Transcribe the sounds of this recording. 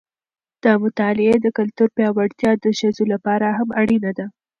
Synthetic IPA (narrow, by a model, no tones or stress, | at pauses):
d̪̥əmʊt̪ɑlɪed̪əkalt̪uɾpjɑwaɽt̪jɑd̪əʃazolapɑɾaɦamaɽinad̪a